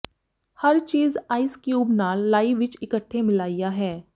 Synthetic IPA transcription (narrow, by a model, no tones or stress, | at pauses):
hɐɾt͡ʃiːzaːɪskjuːbnaːlːaːiɪʋɪt͡ʃɪkəʈʰːemɪlaːɪjaɦɛː